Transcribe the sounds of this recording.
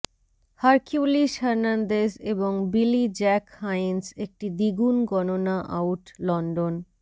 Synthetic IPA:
haɾkuliʃaɾnand̪eseboŋbilid͡ʑɛkhajnsek̚ʈid̪iɡunɡɔnonaʔawʈlɔnɖon

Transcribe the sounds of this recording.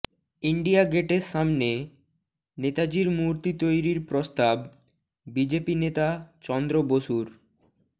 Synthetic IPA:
iɳɖijaɡeʈeɾʃamne | net̪ad͡ʑiɾmuɾt̪it̪ojɾiɾpɾost̪ab | bid͡ʑepinet̪at͡ɕɔnd̪ɾoboʃuɾ

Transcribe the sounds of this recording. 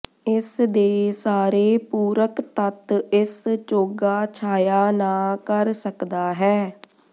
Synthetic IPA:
ɪsd̪eːsaːɾeːpuːɾəkt̪ət̪ɪst͡ʃoːɡaːt͡ʃʰaːjaːnaːkəɾsəkd̪aːɦɛː

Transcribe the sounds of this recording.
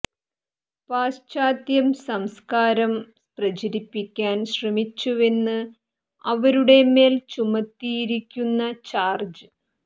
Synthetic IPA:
paːst͡ɕaːt̪jɐmsɐmskaːɾɐmsprɐt͡ɕɐɾipːikʲːaːnɕrɐmit͡ɕːue̞nːɨ | ɐʋɐɾuɽe̞me̞ːlt͡ɕumɐt̪ːijiɾikʲːunːɐt͡ɕaːrd͡ʑɨ

